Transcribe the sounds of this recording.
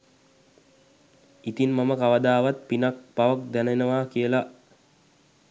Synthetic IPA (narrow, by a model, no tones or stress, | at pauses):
it̪inmaməkaʋəd̪aːʋat̪̚pinak̚paʋək̚d̪ænenəʋaːkijəla